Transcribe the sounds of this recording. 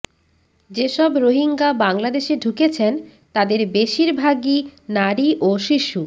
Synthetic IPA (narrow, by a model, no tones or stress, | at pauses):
d͡ʑeʃɔbɾoɦiŋɡabaŋlad̪eʃeɖʱuket͡ɕʰen | t̪ad̪eɾbeʃiɾbʱaɡinaɾiʔoʃiʃu